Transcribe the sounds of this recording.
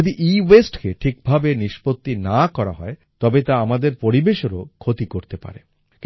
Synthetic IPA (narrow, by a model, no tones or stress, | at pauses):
od̪iʔiwesʈkeʈʰik̚bʱabeniʃpot̪ːinakɔɾa̰ɦɔet̪ɔbet̪aamad̪eɾpoɾibeʃoɾo̰kʰot̪ikoɾt̪epa̰ɾe | ki